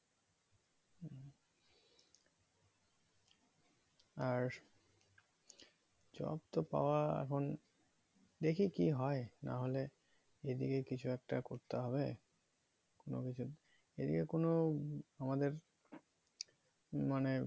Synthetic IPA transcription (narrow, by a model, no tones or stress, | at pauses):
aɾ | d͡ʑɔ̰bt̪opa̰oaɛ̰kʰon | d̪ekʰikiɦɔena̰ɦole | ed̪ikekit͡ɕʰuɛk̚ʈakoɾt̪eɦɔbe | kono̰kit͡ɕʰu | ed̪ikekonoamad̪eɾ | mane